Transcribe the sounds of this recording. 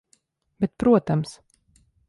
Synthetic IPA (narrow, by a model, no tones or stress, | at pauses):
bɛt̪̚pɾuɔt̪ams